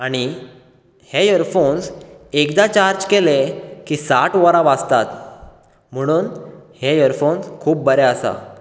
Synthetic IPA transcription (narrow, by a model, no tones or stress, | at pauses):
aɽ̃i | hejəɾfonsekd̪at͡ɕaɾd͡ʑkelekisaʈʋɔɾãʋad͡zt̪at̪ | m̤əɽ̃uːnhejəɾfonskʰuːp̚bəɾɛəsa̰